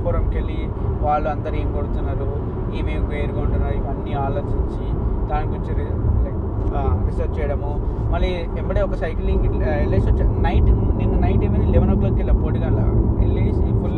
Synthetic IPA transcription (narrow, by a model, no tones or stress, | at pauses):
puɾɐmkeɭːi | ʋaːɭːuɐnd̪ɐɾieːmikoɽut̪unːaːɾu | iːmeːkʋeːɾuɡauɳʈunːaːɾiʋɐnːiaːloːt͡ʃiɲt͡ʃid̪aːnikoɲt͡ʃi | ɾisɐɾt͡ʃɛjɐɽɐmumɐɾːi | embɐʈeɔkɐsɐjkliŋɡlesɐt͡ʃːɐnɐjʈninːunɐjɳʈeːmɐnilɛʋɐnoklɐːkilːɐmpoːɽiɡ̪aːla̰elːeːsipul